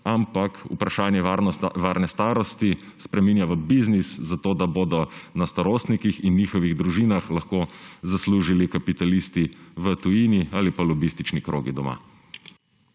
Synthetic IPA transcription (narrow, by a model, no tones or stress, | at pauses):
ampakṵpɾaʃaːnjɛʋaːɾnɛst̪aːɾɔst̪i | spɾɛmiːnjaʋəbizniszat̪oːd̪aboːd̪ɔnast̪aɾoːst̪nikixinːiːxɔʋiɣd̪ɾuʒiːnaxlaxkoːzasluːʒilikapit̪alist̪iʋət̪ujiːniaːlipalɔbist̪it͡ʃnikɾo̰ːɡid̪ɔma̰